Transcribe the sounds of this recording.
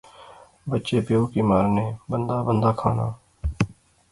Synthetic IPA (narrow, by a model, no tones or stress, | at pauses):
bətːt͡ʃeːpjoːkiːmaːɾnẽːbənd̪aːbənd̪aːkʰaːna̰ː